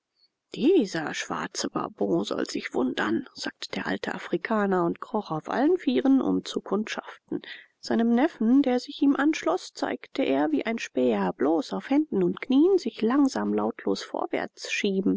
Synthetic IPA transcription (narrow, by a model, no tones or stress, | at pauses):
d̥iːzɐʃv̥a̰ɐt͡səba̰ɐbɔ̃ːzɔ̰lz̥ɪçv̥ʊndɐ̰nz̥a̰ːk̚tə̥d̥eːɐʔa̰ltʰə̰ʔafʁ̥ikʰaːnɐʊntkʁ̥ɔχaʊfʔa̰lənfiːʁənʔʊ̰mt͡sukʰʊntʃa̰ftn̩ | z̥aɪnəmnɛfn̩deːɐzɪçʔiːmʔanʃlɔst͡sa̰ɪktʰəʔeːɐviːʔaɪnʃpɛːɐbloːsaʊfhɛndn̩ʊntkniːənzɪçlaŋzaːmlaʊtʰlo̰ːsfo̰ːɐvɛ̰ɐt͡sʃiːbm̩